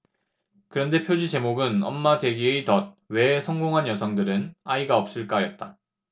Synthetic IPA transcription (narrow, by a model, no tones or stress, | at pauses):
kɯɾʌnde̞pʰjod͡ʑid͡ʑe̞moɡɯnʌ̰mːadwe̞ɡieitʌd̚ | we̞sʰʌŋɡoŋɦanjʌsʰʌŋdɯɾɯnaiɡaʌp̚s͈ɯɭk͈ajʌt̚t͈a